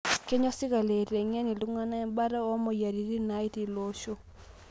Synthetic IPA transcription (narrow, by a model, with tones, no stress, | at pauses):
ke˦ɲɔ˦sɪ˦ka˨le˨ɾɛ˨ŋɛ˦ni˨lu˦ŋa˦na˦ɛ˦mba˦ɾa˦ɔ˦mɔ˨ja˨ɾi˨ɾi˦na˦i˦ti˨lo˦ʃo˦